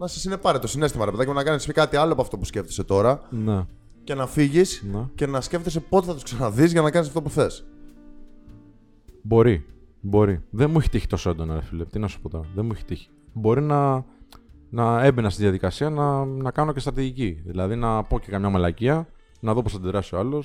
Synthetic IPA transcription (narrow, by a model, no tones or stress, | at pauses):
nɐsɐsine̞pɐɾet̪osine̞st̪imɐɾepeðɐomnɐkɐnisekɐt̪iɐloepoɐft̪o̞pusceft̪ese̞t̪o̞ɾɐne | ce̞nɐfiʝisnece̞nɐsce̞ft̪esepo̞t̪eθɐt̪u̥sksɐnɐðizʝɐnɐkɐnisɐft̪o̞puθe̞s | bo̞ɾi | bo̞ɾiðemueçi̥t̪içi̥t̪o̞soend̪o̞nɐefilept̪inɐsu̥po̞t̪oɾɐðemueçe̥t̪içi̥bo̞ɾinɐ | nɐe̞benɐst̪iðiɐðikɐsiɐnɐnɐkɐno̞cest̪ɾɐt̪iʝiciðilɐðinɐpo̞ce̞kɐmɲɐmɐlɐciɐ | nɐðo̞posθɐd̪iðɾɐsioɐlo̞s